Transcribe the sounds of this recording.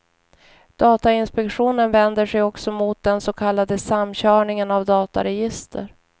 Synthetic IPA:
d̪̥ɑːt̪aɪnspɛkɧuːnənvɛnd̪əʂɛjɔksɔmʊt̪̚d̪ɛnsɔkʰalːad̪əsamːɕœːɳɪŋənavd̪ɑːt̪a̰ɾɛjɪst̪ʰə̰ɾ

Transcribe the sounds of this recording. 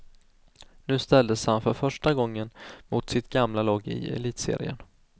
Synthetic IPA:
nʉ̟ːst̪ɛld̪əshanfœɾfœʂʈaɡɔŋːənmʊt̪sɪt̪ɡamlalɔːɡɪ̰ɛ̰liːt̪sḛːɾɪ̰ə̰n

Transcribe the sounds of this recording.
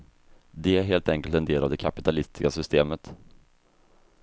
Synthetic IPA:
d̪ɛæɾɦeːlt̪ɛŋkəlt̪ɛnd̪eːlavd̪ɛkʰapɪt̪ʰalɪst̪ɪ̥skasʏst̪eːmət̪

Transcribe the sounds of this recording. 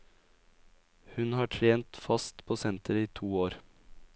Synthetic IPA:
hʉnhɑːʈʰɾeːnt̪fɑst̪pʰoːsɛnt̪əɾiːt̪ʰuːoːɾ

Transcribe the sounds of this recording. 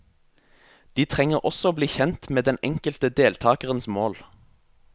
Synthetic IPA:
d̪̥iːt̪ʰʁɛŋəʁʔɔsɔoːbliːçɛnt̪meːd̪ɛnɛŋkəlt̪əd̪eːlt̪ʰɑːkəʁənsmoːl

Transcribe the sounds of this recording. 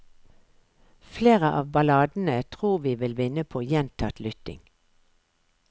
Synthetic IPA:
fleːʁəʔɑ̰ːʋbɑlɑːd̪n̩ət̪ʰʁuːʋiːʋɪlʋɪnəpʰoːjɛnt̪ʰɑt̪lʏt̪ɪ̰ŋ

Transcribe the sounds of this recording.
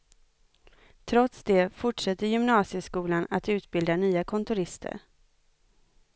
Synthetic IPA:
t̪ʰɾɔt̪sd̪ɛfʊʈʂɛt̪ːəɾjʏmnɑːsɪjəskuːlana̰t̪ʉ̟ːt̪̚bɪld̪anyːakʰɔnt̪ʊɾɪst̪ʰə̰ɾ

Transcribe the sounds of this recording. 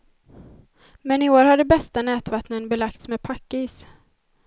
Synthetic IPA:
mɛnɪoːɾhaɖ̪əbɛst̪anɛːt̪vat̪nənbɛlakt̪smɛːd̪̚pʰakːiːs

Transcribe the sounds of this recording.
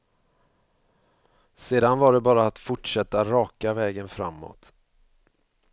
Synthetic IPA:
seːd̪anvaɖɛbɑːɾaːt̪fʊʈʂɛt̪ːaɾɑːkavɛːɡənfɾamːo̰ːt̪

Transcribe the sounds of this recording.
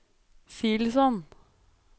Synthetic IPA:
filsɔn

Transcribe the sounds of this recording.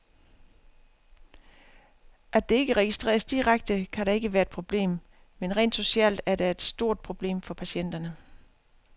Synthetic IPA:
ʔæɐd̥e̝e̝ɡ̥əʁɛɡ̥isd̥ʁḛːɐsd̥iʁaɡ̥̚d̥əkʰæɾɑ̈e̝ɡ̥əʋæːɐed̥pʰʁo̝b̥le̝̰ːm | menʁɛ̰ːnd̥so̝ɕɛ̰ld̥æɐɾ̥ɑe̝d̥sd̥o̝ɐ̰d̥̚pʰʁo̝b̥le̝̰ːmfɒ̽pʰæsɕen̰d̥ɐnə

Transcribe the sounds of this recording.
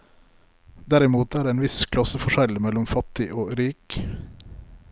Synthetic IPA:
d̪æɾɪmuːt̪æːɖeːeːnʋɪskʰlɑsəfɔʃɛlmɛlɔmfɑt̪ɪʔoːɾiːk

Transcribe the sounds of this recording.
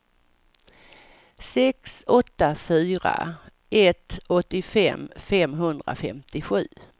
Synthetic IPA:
sɛksɔt̪ːafyːɾa̰ | ʔɛt̪ɔt̪ːɪfɛ̰mfɛmɦɵnd̪ɾa̰fɛmt̪ɪɧʉ̟ː

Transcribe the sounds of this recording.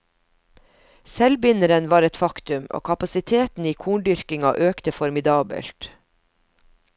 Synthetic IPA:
sɛlbɪnəɾənʋɑːɾɛt̪fɑkt̪ʉmo̰ːkʰɑpɑsɪt̪ʰeːt̪n̩iːkʰuːɳɖʏɾkɪŋɑ̰ʔøːkt̪əfɔɾmɪd̪ɑːbə̰lt̪

